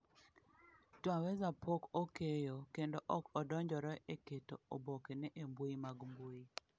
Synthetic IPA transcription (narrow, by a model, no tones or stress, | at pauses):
twawɛzapokokejokendoʔɔkɔdɔɲd͡ʒɔɾɔeketoo̰bokenɛʔembuimaɡmbui